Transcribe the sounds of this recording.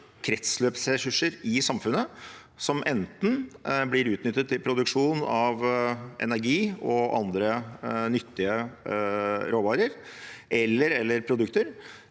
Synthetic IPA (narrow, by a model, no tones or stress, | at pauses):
kʰɾɛt̪sløːpsɾɛsʉʂəɾɪsɑmfʉnə | sɔmʔɛnt̪n̩blɪɾʉːt̪nʏt̪ːət̪ʰːɪlpʰɾʊd̪ʉkʂuːnɑʋʔɛ̰næɾɡiːɔʔɑ̰nd̪ɾənʏt̪ːɪə | ɾoːʋɑːɾəɾʔɛlːəɾɛlːəɾpʰɾʊd̪ʉkt̪əɾ